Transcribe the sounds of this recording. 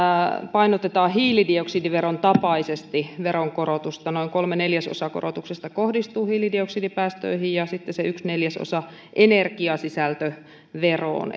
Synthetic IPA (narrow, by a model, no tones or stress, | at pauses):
pɑinot̪et̪ɑːhiːlidioksidiʋeront̪ɑpɑisest̪iʋeɾoŋkoɾot̪ust̪ɑnoiŋkolmeneljæso̰sɑko̰rot̪uksest̪ɑkohdist̪uːhiːlidioksidipæːst̪ø̰ihijjɑsit̪ːeseyksneljæso̰sɑ | ʔenerkiɑsisælt̪ø | ʋero̰ːn